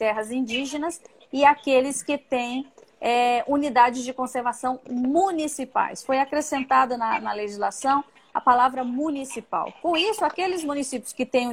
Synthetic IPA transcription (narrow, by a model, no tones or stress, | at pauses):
t̪ɛɦɐzĩd͡ʒiʒẽnɐs | ɪakelɪskɪt̪ẽj̃ɛunid̪ad͡ʒɪzd͡ʒɪkõseɾvasɐ̃w̃mũnisipa̰jsfojakɾesẽnt̪ad̪ɐnɐnɐleʒizlasɐ̃w̃ | ɐ̰palavɾɐmũnisipa̰wkõisʊakelɪzmũnisipjʊskɪt̪ẽj̃